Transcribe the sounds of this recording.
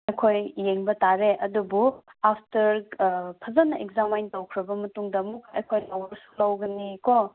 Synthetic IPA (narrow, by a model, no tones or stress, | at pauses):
ɐjkʰojːeŋbɐtaɾeʔɐdubuapʰtɐɾpʰɐzɐnɐʔeɡzamajntɐwkʰɾɐbɐmɐtuŋdɐmukʰːɐjkʰojlɐwɾɐsu̥lɐwɡɐnikɔ